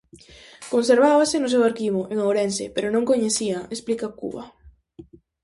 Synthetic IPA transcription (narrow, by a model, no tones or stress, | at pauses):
konseɾβaβasenʊs̬ewaɾkiβʊʔeŋawɾensḛpeɾonõŋkoɲeθiaesplikakṵβa̰